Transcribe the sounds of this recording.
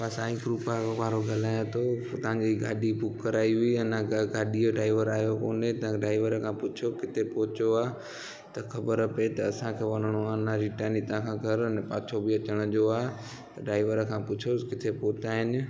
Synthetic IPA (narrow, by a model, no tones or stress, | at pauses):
pasãɪkɾuːpakʋaːɾoɡʱɐlaːjõt̪ʰot̪ɐɦãɲd͡ʑiɡaːɗibʊkːɐɾaːiiɐnãɡɡaːɗijoɖɾaːɪʋəɾaːjokoːnet̪ɐãɖaːɪʋəɾkʰãpʊt͡ɕʰokɪt̪ʰepoɦɪt͡ɕoaː | t̪ɐxɐbəɾəpet̪ɐɐsãkʰeːʋɐnəɽ̃oanãɾiːʈaːnit̪ãkʰãɡʱɐɾnɛpaːt͡ɕʰobɪɐt͡ɕəɽ̃əd͡ʑoaː | t̪ɐɖaːɪʋəɾkʰãːpʊt͡ɕʰokɪt̪ʰepoːt̪aːɦɪnɪ̆